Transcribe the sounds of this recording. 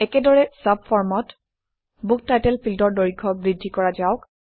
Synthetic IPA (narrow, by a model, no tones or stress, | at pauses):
ɛkɛdɔɹɛsab̚fʰɔɹmɔt | buk̚tajtɛlpʰildɔɹdoɹiɡʰɔbɹidʱːikɔɹazaʊk